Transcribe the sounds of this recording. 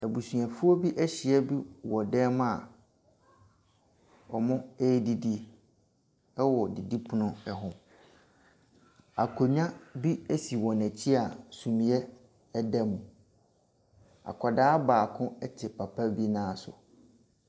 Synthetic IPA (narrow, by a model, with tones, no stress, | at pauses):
æ˨bu˨sũ˨ã˨fʊ˦ɔ˦bi˦ʔæ˦ɕi˨ɛ˦bi˦wɔ˨dɛː˦m˦a˨ | ɔ˨mʊ̃˦e˦i˦di˦di˦ | ɛ˦wɔ˨di˨di˦pʰʊ˨nʊ̃˦ɛ˨ɦʊ̃˨ | a˨kʰo˨ɲ˦ã˦bi˦æ˦si˨wɔ˨næ̃˨t͡ɕʰi˦a˨sũ˨mĩ˨ɛ˦ | dɛ˦mũ˨ | a̰˨kʰa˨daː˦baː˨kʰʊ̃˦ɛ˦tʰɪ˨pʰa˨pʰa˦bi˦nãː˦˨sʊ̰˨